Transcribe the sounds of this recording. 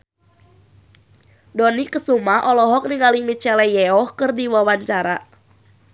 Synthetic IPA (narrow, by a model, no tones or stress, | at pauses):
dɔnikəsumaʔɔlɔɦɔk̚niŋɡalimit͡ʃɛlɛjɛɔhkɨrdiwawaɲt͡ʃaɾa